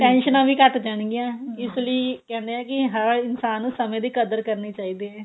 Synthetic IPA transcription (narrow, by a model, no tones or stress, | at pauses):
ʈɛ̃ːnʃənãːʋiːkəʈd͡ʒəɳ̃ɡɪãːɪsləiːkɛ̃ːnd̪eãːkɪɦəɾɪnsaːnːũːsəmẽːd̪iːkəd̪əɾkəɾneːt͡ʃaːiːd̪eːɛ̃ː